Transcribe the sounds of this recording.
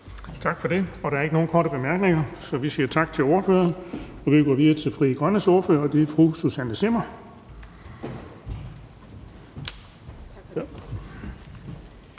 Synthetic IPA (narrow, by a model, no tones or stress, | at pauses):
t͡sʰɑ̈ɡ̥fɒ̽d̥e̝ɒ̽ɾ̥ɑæɐe̝ɡ̥no̝ːnkʰɒ̰ːɾəb̥e̝mæɐɡ̥ne̝ŋɐsɒ̽ʋisiːɐt͡sʰɑ̈ɡ̥̚t͡sʰe̝lo̝ːɐfø̰ːɐnɒ̽ʋiɡ̥ɒʋiðˠɐt͡sʰe̝fʁḭːɡ̥ʁɶnəso̝ɐfø̰ɐɒd̥e̝fʁususænəsemɐ